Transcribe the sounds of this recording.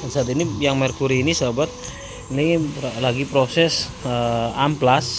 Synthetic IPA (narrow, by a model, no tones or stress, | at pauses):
sat̪inijaŋmɛrkuɾiːnisabat̪̚ | nilaɡipɾosɛs | əamplas